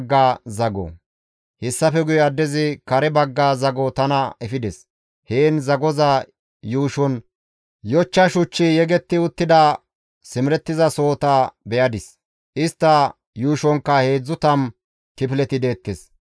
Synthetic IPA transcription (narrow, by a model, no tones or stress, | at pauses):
ɡːaːzɐɡɔ̰ | hɪsːɐfɛɡʊjɐd̪ːɛzɪkɐɾɛbɐɡːaːzɐɡɔt̪ɐnɐɛfɪd̪ɛs | heːnzɐɡɔza | juːʃɔn | jɔt͡ʃːɐʃʊt͡ʃːɪjɛɡɛt̪ːɪʊt̪ːɪd̪ɐ | sɪmɪɾɛt̪ːɪzɐso̞ːt̪abɛjɐd̪ɪs | ʔɪst̪ːɐ | juːʃɔŋkːɐhe̞ːd͡zːʊt̪ɐm | t̪ɪpɪlɛt̪ɪd̪e̞ːt̪ːɛs